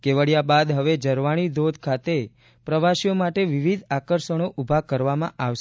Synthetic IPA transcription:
keʋəɽjabad̪ɦəʋed͡ʒəɾʋaɽ̃id̪od̪ʱkʰat̪e | pɾəʋaʃijomaʈeʋiʋid̪ʱakəɾʃəɽ̃oʔubʱakəɾʋamãʔaʋʃ

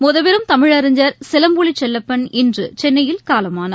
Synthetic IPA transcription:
mʊðɐʋɪɾɯmt̪ɐmɪɻɐɾɯɲd͡ʒɐɾsɪlɐmbuɭit͡ʃːɛlːɐpːɐnɪndrɯt͡ʃɛnːɐjɪlkaːlɐmaːnɐ

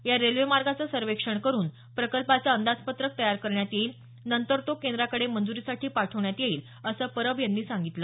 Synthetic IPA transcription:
jaɾelʋemaɾɡat͡səsəɾʋekʂəɳkəɾuːn | pɾəkəlpat͡saənd̪ad͡zpət̪ɾək̚t̪əjaɾkəɾɳjat̪iiːl | nənt̪əɾt̪okend̪ɾakəɽemənd͡zuɾiːsaʈʰiːpaʈʰəʋɳjat̪jeiːl | əsəːpəɾəʋjanːiːsãŋɡit̪lə

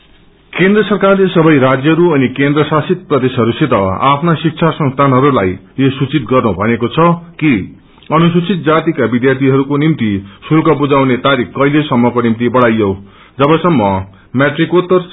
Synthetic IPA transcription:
kend̪rʌsʌrkarlesʌbʌjɾad͡zjʌʌɾuʌnikend̪rʌsasit̪̚prʌd̪esɦʌɾuset̪ʌa̰pʰnasik̚t͡sʰasʌ̃ŋst̪ʰanɦʌɾulaj | josut͡sit̪ɡʌrnubʱʌnekot͡sʰʌki | ʌnusut͡sit̪̚d͡zat̪ikabid̪jart̪ʰiɦʌɾukonimt̪isulkʌbud͡zawnet̪aɾikkʌilesʌmːʌkonimt̪ibʌɽajʌw | d͡zʌbʌsʌmːʌ | mjaʈrikot̪ʌr

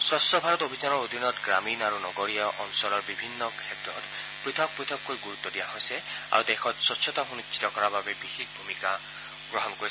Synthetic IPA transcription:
sɹɔstɔbʱaɹɔtobʱizanɔɹod̪ʱinɔt̪ɡɹaminaɹunɔɡɔɹijaʔɔnsɔlɔɹbibʱinːɔkʰɛtɹɔt̪ | pɹit̪ʰɔk̚pɹit̪ʰɔkkojɡuɹut̪ːɔdijaɦojsɛ | a̰ɹud̪ɛxʰɔtsɔtsʰɔt̪ɔxunust͡ʃi̥t̪ɔkɔɹababɛbixikbʱumika | ɡ̥ɹɔɦɔnkoi

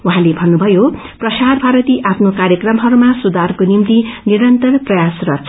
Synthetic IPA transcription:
uɦãlebʱʌnːubʱʌjo | prʌsarbʱaɾʌt̪iʔapʰnokaɾjʌkrʌmɦʌɾumasud̪arkonimt̪iniɾʌnt̪ʌrprʌjasrʌt͡sʰ

